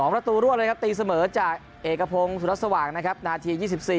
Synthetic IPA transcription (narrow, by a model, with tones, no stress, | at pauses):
ɔː˩˦ŋpɾa˧t̪uː˧ɾuː˦˥˩aɾa˧jkʰa˦˥p̚t̪iː˧sa˧mɤː˩˦t͡ɕaː˨˩k̚ | ʔeː˨˩kːa˧pʰo˧ŋsu˨˩ɾa˦˥t̪̚sa˧waː˩ŋna˦˥kʰa˦˥p̚naː˧t̪ʰiː˧jiː˥˩si˨˩p̚siː˨˩